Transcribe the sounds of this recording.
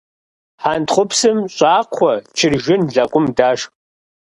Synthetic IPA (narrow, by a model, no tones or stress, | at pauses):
ħantʰχʷʊpʰsɨmɕʼaːqʷʰɔt͡ʃʰɪrʒɪnɮakʷʼʊmdaːʂ